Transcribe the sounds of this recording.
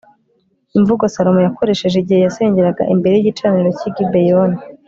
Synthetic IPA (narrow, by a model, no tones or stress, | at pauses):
iɱvuɡosaɾomojakʰo̞ɾe̞ʃe̞ʒeiɟihejase̞ːɲɟeɾaɡa̰ʔimbe̞ɾe̞jiɟit͡ʃaniɾo̞ciɡibejoni